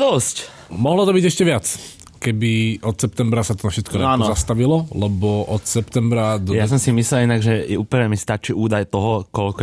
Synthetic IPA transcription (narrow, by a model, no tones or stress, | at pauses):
d̪ɔsc | mɔɦlɔt̪ɔbiːɟɛʃcɛʋɪat͡s | kɛbiʔɔt̪sɛp̚t̪ɛmbɾasat̪ɔnafʃɛt̪kɔaanzast̪aʋilɔlɛbɔʔɔt̪sɛpt̪ɛmbɾad̪jas̬ɔmsimislɛlinaɡʒɛjɛuːpl̩ɲɛmist̪at͡ʃiuːd̪ajt̪ɔɦɔkɔlkɔ